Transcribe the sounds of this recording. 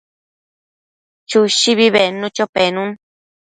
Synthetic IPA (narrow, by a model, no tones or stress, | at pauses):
t͡ʃuʃiβiβenũt͡ʃopenũn